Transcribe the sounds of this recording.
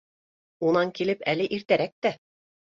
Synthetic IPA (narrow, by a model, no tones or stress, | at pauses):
unɑŋkilɘpælɘʔiɾt̪æɾæk̚t̪æ